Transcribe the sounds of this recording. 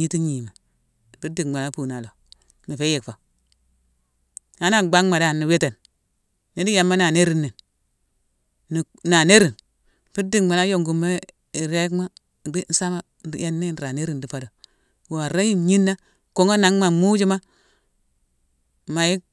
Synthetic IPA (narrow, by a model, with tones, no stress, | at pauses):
i˦ti˦ɲi˨me˨ | pi˦di˨ma˨na˦puː˨na˨lo˨ | ni˨fe˦je˨kfa˨ | a˦na˨ɡ͡ba˦ŋma˨da˦˨nːi˨we˦te˨nː | i˨˦di˦ja˨mːa˦na˨ne˦ɾi˨nːe˨n | ni˨ | na˨ne˦ɾi˨n˨ | pi˦di˨kma˨na˦jo˨ŋɡu˨me˦˨ | ɾe˦kma˦˨ | de˦n̩˦sa˦ma˦˨ | ja˦nːe˦n˨ɾa˨ne˦ɾi˦˨ndi˨˦pa˦do˨ | wo˨a˨ɾa˦ji˦ɲi˦nːa˦ | ko˨˦ŋa˦na˨˦ŋma˨mu˦d͡ʒi˦ma˦ | ma˨ji˦